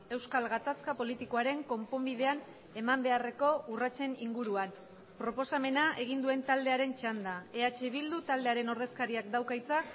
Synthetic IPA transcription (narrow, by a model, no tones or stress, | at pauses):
e̞wskalɣat̪askapo̞lit̪iko̞aɾe̞ŋko̞mpo̞mbið̞e̞an | e̞mambe̞are̞ko̞urat͡ʃe̞niŋɡuɾuan | pɾo̞po̞same̞naʔe̞ɣ̞ind̪ue̞nt̪ald̪e̞aɾe̞nt͡ʃand̪ae̞at͡ʃeβild̪ut̪ald̪eaɾe̞no̞ɾðe̞skaɾiakd̪awkajt͡sa